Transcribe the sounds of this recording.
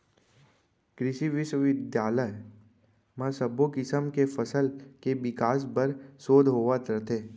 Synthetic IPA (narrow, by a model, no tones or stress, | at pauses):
kɾɪʃiʋɪʃwəʋɪd̪jaːləj | mãsəbokɪsəmkefəsəlkeʋɪkaːs̬bəɾsoːd̪ʱɦoːʋat̪ɾət̪ʰeː